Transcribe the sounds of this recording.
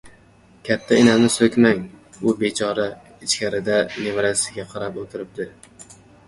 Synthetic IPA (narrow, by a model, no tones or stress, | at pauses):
kʲʰat̪ʰːaɪnanɪsɵkʲmaŋʊbe̞t͡ʃʰɒɾa | ɪt͡ʃkʲʰaɾɪd̪ane̞vaɾasɪɡʲaqʰɑɾapot̪ʰɪɾɪp̚d̪ɪ